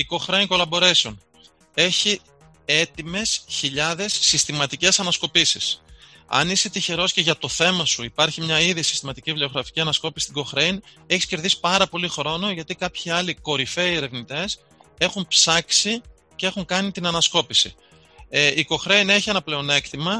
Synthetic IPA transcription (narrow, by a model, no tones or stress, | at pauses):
iko̞xɾe̞iŋko̞lɐbo̞ɾesun | e̞çi | e̞t̪ime̞sçiʎɐðe̞sːist̪imɐt̪ice̞sɐnɐsko̞pisḭs | ɐ̰niset̪içe̞ɾo̞sce̞ʝɐt̪o̞θe̞mɐsuipɐɾçimɲɐiðisi̥st̪imɐt̪icivleo̞ɣɾɐfi̥ciɐnɐsko̞pisi̥t̪iɡo̞xɾe̞jn | e̞çi̥sce̞ɾðisi̥pɐɾɐpo̞lixɾo̞no̞ʝɐt̪ikɐpçiɐliko̞ɾife̞ie̞ɾe̞vnit̪e̞s | e̞xumpsɐksi | cee̞xuŋkɐnit̪inɐnɐsko̞pisḭ | ʔiko̞xɾe̞jne̞çie̞nɐple̞o̞ne̞kt̪imɐ